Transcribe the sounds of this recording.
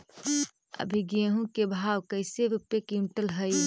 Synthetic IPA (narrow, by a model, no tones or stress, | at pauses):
ə̰bʱiɡeɦũkebʱaːwkəɪseɾupekuɳʈəlɦəj